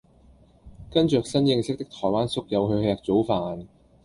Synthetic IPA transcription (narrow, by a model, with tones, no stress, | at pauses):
kɐ˥nt͡ʃœː˨k̚sɐ˥njɪ˧ŋsɪ˥k̚t̪ɪ˥k̚t̪ʰɔː˨˩jwaː˥nsʊ˥k̚jɐ˨˧wɦɵ˧ɥhɛː˧k̚t͡so˨˥wfaː˨n